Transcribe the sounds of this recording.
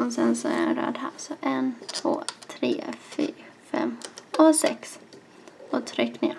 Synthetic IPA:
ɔsɛnsɔæɾɛnɾœ̰ːd̪hasɔʔɛnt̪ʰvoːt̪ʰɾeːfyːɾfɛ̰mːɔsɛks | ɔt̪ʰɾʏkːneː

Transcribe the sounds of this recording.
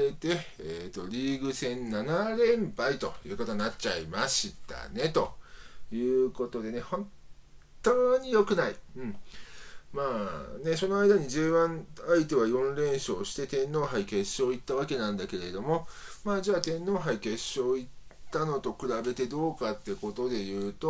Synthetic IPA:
et̪e̞eːt̪o̞̰ɾʲiːɡɯ̟sẽ̞nnanaɾẽ̞mpait̪o̞̰jɯ̟ːko̞t̪oɲnːatt͡ɕa̰ḭmaɕit̪a̰ne̞t̪o̞jɯ̟ːko̞t̪o̞d̪e̞ne̞hõ̞n | t̪oːɲ̟ijo̞kɯ̟naiɯ̟̃ɴ | maːne̞so̞no̞aid̪aɲ̟iʑɨːβãɴait̪e̞β̞ajõ̞nɾẽ̞ɰ̃ɕo̞ːɕi̥t̪e̞t̪ẽ̞nːo̞ːɦaike̞ɕːo̞ːit̪ːaβ̞ake̞nãnd̪ake̞ɾe̞d̪o̞mo̞maːd͡ʑaːt̪ẽ̞nːo̞ːɦaike̞ɕːo̞ːitt̪ːano̞t̪o̞kɯ̟ɾabe̞t̪e̞d̪o̞ːkat̪ːe̞ko̞t̪o̞d̪e̞jɯ̟ːt̪o̞

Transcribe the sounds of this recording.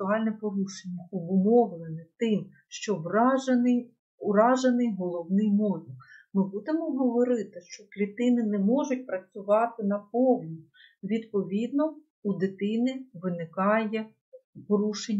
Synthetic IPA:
ʊɑlʲnɛpɔɾuʃenʲːɐɔbʊmɔʋlˠenɛt̪ɪm | ʃt͡ʃɔʋɑɐnɪj | ʊɾɑʒɐnɪjɦɔlˠɔwnɪjmɔjʲɪmɪbud̪ɪmɔɦɔʋɔɾɪt̪ɪʃt͡ʃɔklʲit̪ɪnɪnɛmɔʒʊt̚ʲpɾɐt͡sʲʊʋɑt̪ɪnɐpɔwnʲi | ʋʲid̪pɔʋʲid̪̚nɔ | ud̪ɪt̪ɪnɪʋɪnɪkɑjɛ | pɔɾuʃenʲː

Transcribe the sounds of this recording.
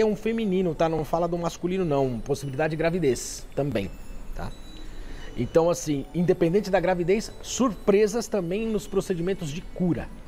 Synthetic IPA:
ɛũfemĩnĩnʊt̪anɐ̃w̃falɐd̪ʊmaskulĩnʊnɐ̃w̃posibilid̪ad͡ʒɪd͡ʒɪɡɾavid̪est̪ɐ̃mbḛ̃j̃t̪ʰa̰ | ḛ̃nt̪ɐ̃w̃asĩĩnd̪epẽd̪ẽnt͡ʃɪd̪ɐɡɾavid̪ejsːuɾpɾezɐst̪ɐ̃mbẽj̃nʊspɾosed͡ʒimẽnt̪ʊzd͡ʒɪkuɾɐ̰

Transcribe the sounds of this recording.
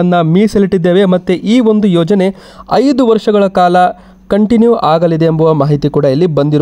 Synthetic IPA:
ɐnːɐmiːseliʈːid̪ːeːʋe̞mɐt̪ːuʔiːo̞nd̪ujɔːd͡ʒɐne̞ | ɐjd̪uʋɐɾʂɐɡɐɭɐkaːlɐ | kɐɳʈinjuʔaːɡɐlid̪eːmbuʋɐmaːɦit̪ikuːɽɐɐlːibɐnd̪iɾu

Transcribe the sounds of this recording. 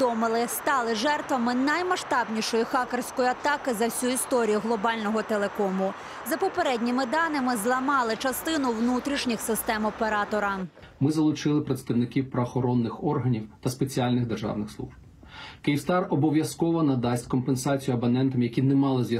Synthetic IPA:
d̪ɔmɪlˠɪst̪ɑlˠɪʒɛrt̪ʋɐmɪnɐjmɐʃt̪ɑbnʲiʃɔjixɑkersʲkɔjʊɐt̪ɑkɪzɐwsʲuist̪ɔɾʲijʊɦlˠɔbɑlʲnɔɦɔt̪elˠekɔmʊ | zɐpɔpeɾɛdʲnʲimɪd̪ɑnɪmɪzlˠɐmɑlˠɪt͡ʃɐst̪ɪnʊʋnut̪ɾʲiʃnʲixsɪst̪ɛmɔpeɾɑt̪ɔɾɐ | mɪzɐlˠʊt͡ʃɪlˠɪpɾɐt̪st̪ɐwnɪkʲiwpɾɐɔxɔɾɔnːɪxɔrɦɐnʲiwt̪ɐspet͡sʲiɑlʲnɪɣd̪erʒɑ̰wnɪxslˠṵʒb | kɪjiwst̪ɑrɔbɔʋʲjɐskɔʋɔnɐd̪ɑsʲtʲkɔmpensɑt͡sʲijʊɐbɐnɛnt̪ɐmjɐkʲinɛmɑlˠɪzjɐ

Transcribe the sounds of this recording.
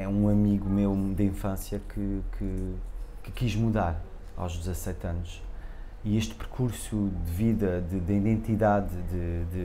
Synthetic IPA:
ɛũɐmiɣumewd̪ɐĩfɐ̃sjɐkʰɨkʰɨkɨ̥kiʒmuðaɾ | a̰wʒd̪ɨzɐsɛt̪ɐ̃nuʃ | ieʃt̪pɨɾkʰuɾsud̪ɨviðɐðɨd̪iðẽnt̪iðaðd̪ɨd̪ɨ

